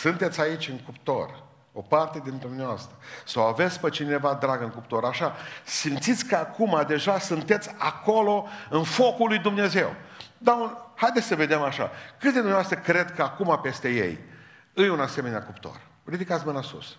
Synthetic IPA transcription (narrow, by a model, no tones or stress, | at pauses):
sɨnt̪e̞t̪sʲait͡ʃʲɨŋkupt̪o̞̰r | opart̪e̞d̪ind̪umnʲevast̪ɾəsawave̞t̪sʲpət͡ʃine̞vad̪ɾaɡɨŋkupt̪o̞ɾaʃasimt̪sit̪sʲkəakumad̪e̞ʒasunt̪e̞t̪sʲa̰ko̞lo̞ɨnfo̞kulːujd̪umne̞ze̞wd̪aulhajd̪esʲsəve̞d̪emaʃa̰kɨt̪d̪ed̪umnaast̪ɾəkɾe̞d̪kəakumape̞st̪e̞je̞̰j | ɨjunase̞me̞neakupt̪o̰r | rid̪ikat̪sʲməlasṵs